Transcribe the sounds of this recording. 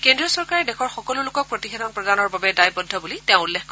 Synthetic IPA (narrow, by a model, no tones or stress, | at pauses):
kendɹijɔsɔɹkaɹɛdɛxɔɹxɔkɔlulʊkɔk̚pɹotixɛdɔnpɹɔdanɔɹbabɛdajbɔdʱːɔbulitɛʊ̃ulːexkɔ